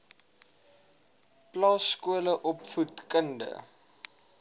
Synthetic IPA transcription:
plɑːskuələʔɔpfutkəndə̰

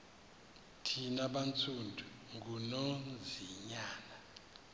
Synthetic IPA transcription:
tʰinaɓant͡sʰundʱu | ŋɡunond͡ziɲaːna

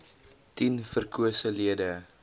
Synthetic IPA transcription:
tinfərkʰuəsəliədə

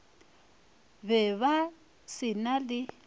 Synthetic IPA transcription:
βɛβa | sɪnalɪ

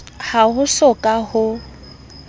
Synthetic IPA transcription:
haɦʊsɔkʼahʊ

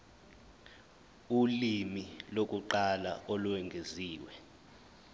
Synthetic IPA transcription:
ulimilok̬ʼuǃala̰ɔlwɛŋɡʱeziːwɛ

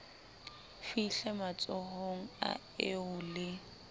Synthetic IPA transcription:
fiɬɛmat͡sʼɔhoŋ̩a̰ | eʊlɪ

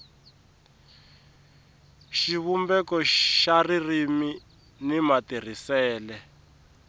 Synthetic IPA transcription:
ʃiβumbɛkɔʃaririmi | nimatir̤isɛːlɛ

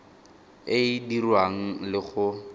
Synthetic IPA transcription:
ɪdirwaŋ̩lɪχʊ

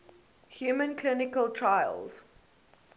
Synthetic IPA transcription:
hjumə̃nkʰlɪnɪkəlˠtʰɹaɪə̰lz̥

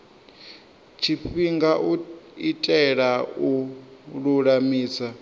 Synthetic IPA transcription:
t͡ʃʰiɸiŋɡaʔuitʼɛɺauɺuɺamiːsa

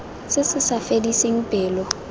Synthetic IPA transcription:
sɪsɪsafedisɪŋ̩pʼɪːlɔ

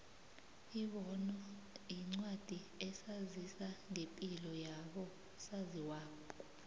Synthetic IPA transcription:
iɓɔnɔ | jiŋ͡ǀwad̥ʱi | ɛsazisaŋepʼilɔjaɓɔ | saziwaːkʰʼɔ

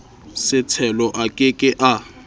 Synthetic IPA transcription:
sɪt͡sʰɛlɔʔakʼɪkʼɪʔa

